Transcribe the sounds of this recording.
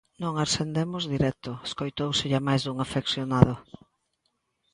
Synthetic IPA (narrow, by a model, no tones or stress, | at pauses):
nõŋaɾsend̪emʊzðiɾɛt̪ʊeskojt̪owsɪʎamajzðuŋafeksjonað̞ʊ